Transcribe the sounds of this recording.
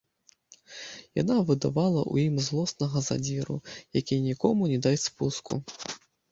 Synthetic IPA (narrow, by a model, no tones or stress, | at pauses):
ja̰navɨd̪avalˠɐ̰ʔṵjimzlˠɔsnɐɣɐza̰d͡zʲiɾṵjakʲinʲikɔmunʲɛd̪ajʲtʲspuskʰṵ